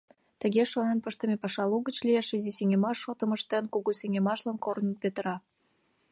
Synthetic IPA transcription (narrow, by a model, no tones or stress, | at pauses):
t̪əɣeʃonenpəʃt̪əmepɑʃɑluɣət͡ɕlijeʃiziseŋʲemɑʃːot̪əməʃt̪enkuɣuseŋʲemɑʃlɑnkorənəbet̪əɾɑ